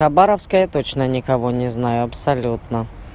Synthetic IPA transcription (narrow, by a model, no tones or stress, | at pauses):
xɐbaɾəfskəjət̪ot͡ɕnənʲɪkɐvonʲɪznajʊɐpsɐlʲut̪nə